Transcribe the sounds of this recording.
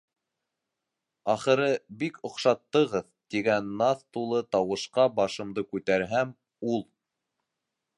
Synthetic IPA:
ɑχɤ̆ɾɤbikŏqʃɑt̪ːɤ̆ʁɤðt̪iɡænːɑθt̪ulˠɤt̪ɑwɤ̆ʃqɑbɑʃɤ̆md̪ɤkʉt̪æɾɦæm | ulˠ

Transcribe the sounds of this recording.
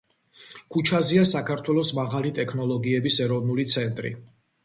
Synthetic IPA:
kʰut͡ʃʰaziasakʰaɾt̪ʰwɛlˠɔsmaʁalit̪ʼɛkʰnɔlˠɔɡiɛbisɛɾɔvnulit̪sʰɛnt̪ʼɾḭ

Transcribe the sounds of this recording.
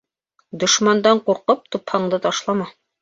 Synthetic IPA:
d̪ŏʃmɑnd̪ɑɴquɾqɤp̚t̪uphɑɴd̪ɤt̪ɑʃlˠɑmɑ

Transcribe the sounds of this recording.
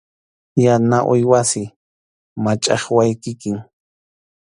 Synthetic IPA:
janaʔʊjwasɪ | mat͡ʃʼɑχwajkɪkɪŋ

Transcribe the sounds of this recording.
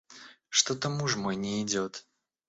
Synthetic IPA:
ʂt̪ɔt̪ɐmuʐmɔjnʲɛid͡zʲɔt̪

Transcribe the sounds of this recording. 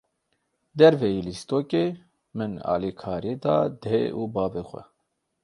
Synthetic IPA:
d̪ɛɾvejilist̪oːkeː | mɨnɑ̰ːlikʰɑːɾied̪ɑ̰ːd̪eʔuːbɑːvexʷɛ̰

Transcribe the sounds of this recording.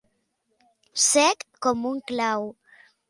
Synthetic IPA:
sɛkːomuŋklaw

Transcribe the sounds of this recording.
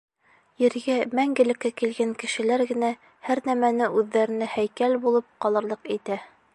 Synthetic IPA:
jɘ̆ɾɡæmæŋɡɘ̆lɘ̆kːækilɡæŋkɘ̆ʃɘ̆læɾɡɘ̆næ | hæɾnæmænɘʔʉðːæɾɘ̆næhæjkælbulˠɤp̚qɒlˠɤ̆ɾlˠɤqit̪æ

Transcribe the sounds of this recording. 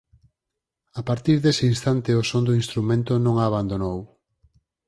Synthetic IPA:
apaɾt̪iɾðesɪinst̪ant̪ɪosond̪oinst̪ɾumẽnt̪onõŋaːβ̞and̪onow

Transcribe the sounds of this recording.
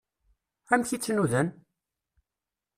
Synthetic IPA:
æmçit͡sːnuðæn

